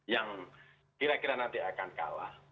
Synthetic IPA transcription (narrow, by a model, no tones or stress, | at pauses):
jaŋ | kiɾakiɾanant̪iakanka̰la̰h